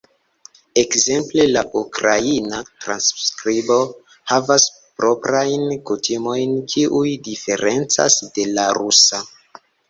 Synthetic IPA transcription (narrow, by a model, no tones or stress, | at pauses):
e̞kze̞mple̞laʔukɾainatɾanskɾibo̞ | havas | pɾʔo̞pɾajnkutimo̞jnkiʔujdife̞ɾe̞nt͡sa̰sde̞laɾusa